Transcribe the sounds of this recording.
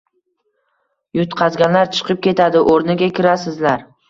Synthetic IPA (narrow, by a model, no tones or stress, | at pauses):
jʊt̪qʰɑzɡʲanlaɾt͡ʃʰɨ̥qʰɨp̚kʲe̞t̪ʰad̪ɪʔoɾnɪɡʲakʲʰɪɾasɪzlaɾ